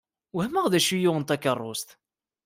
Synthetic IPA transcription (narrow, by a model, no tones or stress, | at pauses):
whæmæʁðæʃujʊʁənt̪ækːərˤːʊ̰st̪